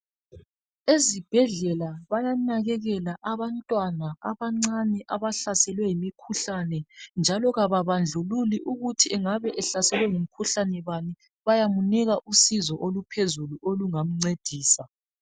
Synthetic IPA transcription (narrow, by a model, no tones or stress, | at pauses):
ezib̥ʱɛɮɛlaβajanaɣɛɣɛlaʔaβantʼwanaaβaŋ͡ǀanɛʔaβaɬasɛlwɛjimikʰuɬanɛnd͡ʒʱalɔɣaβaβand͡ɮʱululiʔuɣutʰiɛŋaβɛʔɛɬasɛlwɛŋum̩kʰuɬanɛβani | βajamuniɣaʔusizɔʔolupʰezuluʔoluŋam̩ŋ͡ǀed̥ʱiːsa